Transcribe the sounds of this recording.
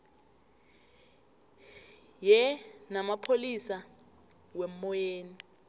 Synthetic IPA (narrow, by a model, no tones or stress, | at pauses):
jɛnamapʰolisa | wɛmːɔjeːni